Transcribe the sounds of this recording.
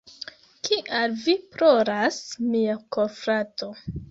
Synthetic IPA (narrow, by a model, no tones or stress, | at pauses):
kiʔalvipɾoɾasmiakofɾato